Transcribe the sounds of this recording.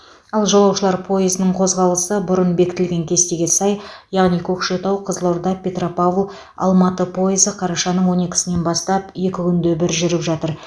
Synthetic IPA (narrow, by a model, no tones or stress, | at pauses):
ɑlˠʒolˠɑwʃəlˠɑɾpʰo̞jɪzɪnəɴqʰo̞zʁɑlˠəsəbʊɾənbe̞kʲɪ̥t̪ɪlɡʲe̞ŋkʲʰe̞st̪e̞ɡʲe̞sɑjjɑʁnikʲʰɵkʃe̞t̪ɑwqʰəzəlˠoɾd̪ɑpʲe̞t̪ropavlˠ | ɑ̰lˠmɑt̪əpʰo̞ɪzəqʰɑɾɑʃɑnəɴwo̞ne̞kʲɪ̥sɪne̞nbɑst̪ɑpje̞kʲɪkʲʰʏnd̪ebɪɾʒʏɾɪpʒɑt̪əɾ